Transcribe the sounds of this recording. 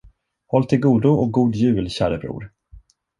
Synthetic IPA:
hɔlːt̪ʰɪlɡuːd̪ʊɔk̚ɡuːd̪jʉ̟ːlɕæ̰ːɾəbɾṵːɾ

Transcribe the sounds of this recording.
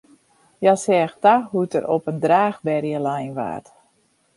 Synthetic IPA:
jasɛːxtaɦutəɾopəndraːxbɛrjəlajnʋa̰ːt

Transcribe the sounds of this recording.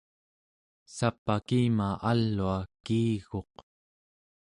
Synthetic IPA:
sapːakiːmaʔalːuakiːɣo̞q

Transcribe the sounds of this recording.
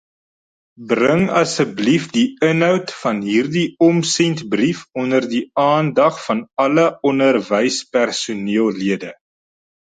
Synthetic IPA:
brəŋɐsəblifdiənɦœwtfɐnɦiːrdiɔmsɛntbrifɔnərdiɑːndɐχfɐnɐləɔnərvəjspærsuniəlˠliədə

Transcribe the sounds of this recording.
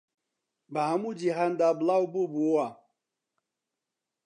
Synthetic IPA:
baamud͡ʒiɦan̩dablaububuoa

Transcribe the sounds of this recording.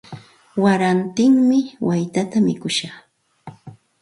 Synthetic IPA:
waɾant̪ɪŋmɪwajt̪at̪amɪkʊʃɑχ

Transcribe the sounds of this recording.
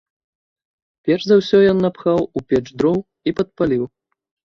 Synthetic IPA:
pʲɛrʐzawsʲɔjɔnːɐpxawupʲɛt͡ʂd̪ɾɔw | ipɐt̪̚palʲiw

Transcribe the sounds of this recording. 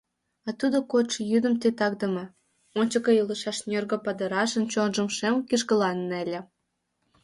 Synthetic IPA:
ɑt̪ud̪okoʃəjyd̪ə̆mt̪et̪ɑkd̪ə̆mɤ | onʲt͡ɕəkəjələʃɑʃnʲørɣə̆pɑd̪ə̆ɾɑʃə̆nt͡ɕonʒə̆mʃemkiʃkəlɑnːelʲĕ

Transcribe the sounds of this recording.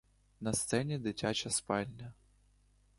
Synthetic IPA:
nɐst̪sɛnʲid̪ɪtʲat͡ʃɐspɑlʲnʲɐ

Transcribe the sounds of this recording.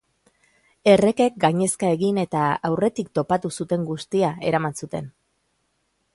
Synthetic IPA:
e̞re̞ke̞k̚ɡaɲe̞skae̞ɣine̞t̪aawre̞t̪ikt̪o̞pat̪usut̪e̞ŋɡust̪iae̞ɾamansut̪e̞̰n

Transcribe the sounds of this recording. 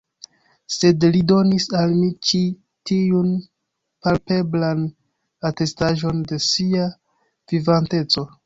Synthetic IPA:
se̞dlido̞nisalmit͡ʃi | tiun | palpe̞blan | ate̞staʒo̞nde̞sia | vivante̞t͡so̞

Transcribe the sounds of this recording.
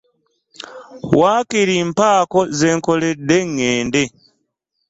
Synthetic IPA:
waːkiɾim̩pakɔzɛŋkɔlɛɗɛŋɛːndɛ

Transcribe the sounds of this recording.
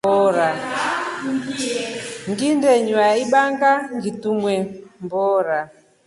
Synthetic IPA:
ɔɾa | ŋɡindɛɲuaiɓaŋɡaŋɡitumwɛmbɔːɾa

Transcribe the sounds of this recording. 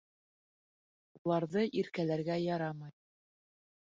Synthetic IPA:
ulˠɑɾðɤʔiɾkælæɾɡæjɑɾɑmɑj

